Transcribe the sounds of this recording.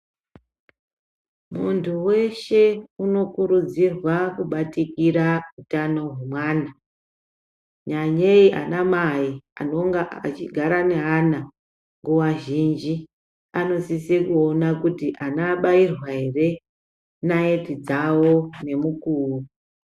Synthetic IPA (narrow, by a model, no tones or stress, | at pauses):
muntʰuwe̞ʃe̞uno̞kuɾud͡zirwakuɓatikiɾautano̞ɦemwaːna | ɲaɲeiʔa̰namaia̰no̞ŋɡaat͡ʃiɡʱaɾane̞ɦana | ŋɡuwaʒind͡ʒi | ano̞sisekuonakutiʔanaɓairwaɦe̞re̞ | naetid͡zawo̞ne̞mukuːru